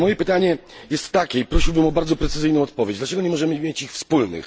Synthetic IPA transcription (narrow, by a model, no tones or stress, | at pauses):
mɔjɛpɘt̪aɲɛjɛst̪ːakʲɛipɾɔɕiwbɘmɔbaɾd̪zɔpɾɛt̪sɘzɘjnɔ̃w̃ɔt̪̚pɔvʲjed͡ʑd̪lat͡ʂɛɡɔɲɛmɔʐɛmɘmʲjet͡ɕixfspulnɘ̰x